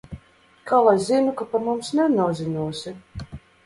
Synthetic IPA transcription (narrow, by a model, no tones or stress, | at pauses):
kʰalˠazzinukapaɾmumsnɛnuɔzinuɔsʲi